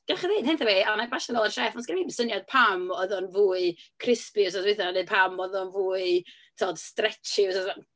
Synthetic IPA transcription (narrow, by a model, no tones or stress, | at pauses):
ɡ̥ɛlχiðeːd̥hɪnθaveanabaʃənɡɔlˠərʃɛːfɔnsɡ̥ɪnibsənjad̥̚pʰamɔðɔnvuːɨkʰrɪspɪws̬asvɪθɔanɨd̚pʰamɔðɔnvuːɨ | tʰɔːd̥strɛt͡ʃɪsasa